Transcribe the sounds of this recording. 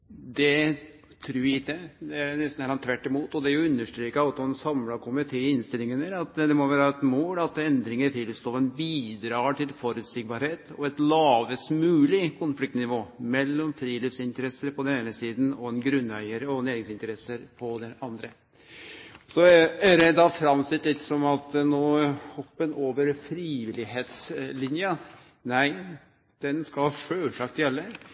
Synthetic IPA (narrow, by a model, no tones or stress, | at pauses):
d̪ɛ | t̪ʰɾʉːɪɪkːəd̪ɛænɛst̪n̩ælɑnt̪ʰːʋæʈːɪmuːt̪ɔd̪ɛæɾjʊʉnːəʂʈɾiːkəɑt̪ɔɛnsɑmlɑkʰʊmɪt̪ʰeːɪnst̪ɪlɪŋənəɾɑt̪d̪ɛmɔʋæːɾɾɑɛt̪moːlɑt̪ɛnd̪ɾɪŋəɾʈ̪ʰɪlst̪oːɛnbiːd̪ɾɑːʈɪlfɔɾʉt̪sɪɡ̚bɑɾheːt̪ɔɛt̪lɑːʋəsmʉːlɪkʰʊnflɪk̚t̪nɪʋoːmɛlːɔmfɾiːliːfsɪnt̪əɾɛsːəɾpʰɔd̪ɛneːnəsiːd̪nɔɛnɡɾʉnːœʏəɾəɔneːɾɪŋsɪnt̪əɾɛsəɾpʰɔd̪ɛnɑnd̪ɾə | sɔæɾɛd̪ɑfɾɑmsɪt̪ːlɪt̪ːsɔmɑt̪noːhɔpːənoːʋəɾfɾiːʋɪlɪɦeːt̪slɪnjə | næɪ | d̪̥ɛnskɑhʂøːʂɑk̚t̪jɛlːə